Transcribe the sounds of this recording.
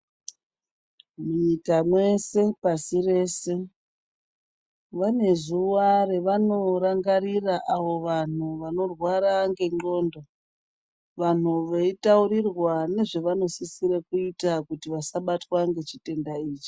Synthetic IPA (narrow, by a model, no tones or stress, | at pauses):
muikamwe̞se̞pasire̞ːse̞ | ʋane̞zuware̞ʋano̞ɾaŋɡaɾiraʔaʋo̞ʋan̤uʋano̞rwaɾaŋɡe̞ŋ͡ǃo̞ːndo | ʋan̤uʋeitauɾirwane̞ʐeʋano̞sisiɾekuitakutiʋasaɓatwaŋɡe̞t͡ʃite̞ndaiːt͡ʃi̥